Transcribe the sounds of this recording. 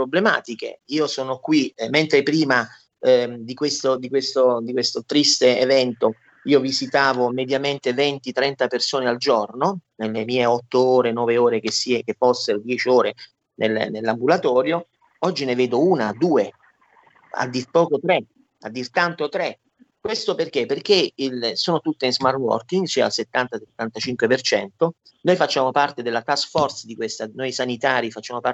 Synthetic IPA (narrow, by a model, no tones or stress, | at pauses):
pɾoblema̰ːt̪ik̟ḛiːosɔːnokwiment̪ɾepɾiːma | d̪ikwest̪od̪ikwest̪od̪ikwest̪ot̪ɾist̪eevɛnt̪o | iːovizit̪aːvomed̪jament̪evɛnt̪it̪ɾɛnt̪apersoːneald͡ʒɔrnonelːemiːeɔt̪ːooːɾenɔːveoːɾekesikefɔsːeɾod̪jɛːt͡ʃioːɾe | nel̰ːnelːambulat̪ɔːɾjo | ɔd͡ʒːineveːd̪ouːnaːd̪ːuːe | a̰d̪ːirpɔːkot̪ɾe | ad̪ːirt̪ant̪ot̪ɾe | kwest̪operk̟epːerk̟eilsoːnot̪ut̪ːeinzmarwɔ̰rkiŋɡsia̰lset̪ːant̪aset̪ːant̪at͡ʃiŋkwepert͡ʃɛnt̪o | nojfat͡ʃːaːmopart̪ed̪elːat̪askfɔrt̪sd̪ikwest̪anojsanit̪aːɾifat͡ʃːaːmopa